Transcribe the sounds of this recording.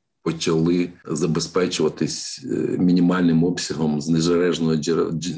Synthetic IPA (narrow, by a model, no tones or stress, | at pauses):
pɔt͡ʃɐlˠɪzɐbespɛt͡ʃɪʋɐt̪ɪsʲmʲinʲɪmɑlʲnɪmɔpsʲɐɦɔmznɛzɐlɛʒnɔɦɔ